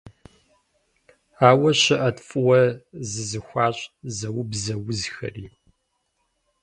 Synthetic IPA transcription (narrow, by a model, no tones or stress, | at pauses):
aːwɐɕɐʔɐtfʼwɐzɨzɨxʷaːɕʼzɐwʊbzɐwʊzxɐ̰riː